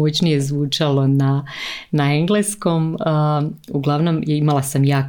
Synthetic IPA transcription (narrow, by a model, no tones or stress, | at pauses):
ot͡ɕnije̞zʋuːt͡ʂalˠo̞nanaeŋɡlˠesko̞mː | uɡlˠaʋno̞mimalˠasamjaː